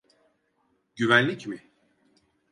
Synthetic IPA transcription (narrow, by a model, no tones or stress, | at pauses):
ɟyvænlʲicmɪ